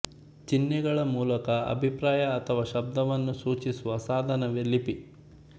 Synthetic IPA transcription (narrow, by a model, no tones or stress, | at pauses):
t͡ʃinːɛɡɐɭɐmuːlɐkɐɐ̰bʱipɾaːjɐːt̪ʰɐʋaːʃɐb̚d̪ɐʋɐnːusuːt͡ʃisuʋɐsaːd̪ʱɐnɐʋelːipi